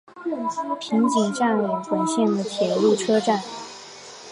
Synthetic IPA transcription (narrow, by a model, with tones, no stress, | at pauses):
pʰi˧˥ŋt͡ɕi˨˩ŋʈ͡ʂa˥˩nu˨˩ŋxwə˧˥nɕɛ˥˩nd̪ə˩t̪ʰjɛ˨˩lu˥˩ʈ͡ʂʰɤ˥ʈ͡ʂa˥˩n